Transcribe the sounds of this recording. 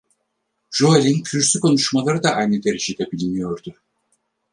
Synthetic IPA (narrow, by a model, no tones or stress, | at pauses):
ʒ̥oalʲinkʰyɾsykʰo̞nuʃmalˠaɾɯd̪aʔajnɯd̪e̞ɾed͡ʒejd̪ɛbilʲinijo̞ɾd̪ʊ